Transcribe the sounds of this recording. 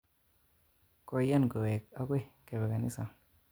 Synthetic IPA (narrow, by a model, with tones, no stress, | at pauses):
ko˧ja˦nɡo˨we˨k̚a˦kwe˦ke˨be˨ɡa˨nḭ˦sa˨ŋ